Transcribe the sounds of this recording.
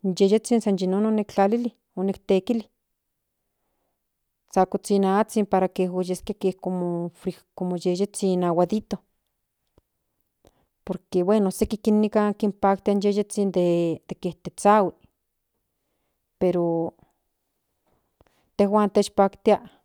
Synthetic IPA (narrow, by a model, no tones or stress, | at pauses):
njejet͡sinsanjinononekt͡ɬalili | onekt̪ekili | t͡sakot͡sinaːt͡simpaɾakeɦwejeskiakekomofɾikomojejet͡sinawaðit̪o | poɾkewenosekikinːikakimpak̚t̪ianjejet͡sind̪ed̪̥ekeht̪et͡sawi | peɾo | t̪ehwaːnt̪et͡ʃpaːkt̪iaʔ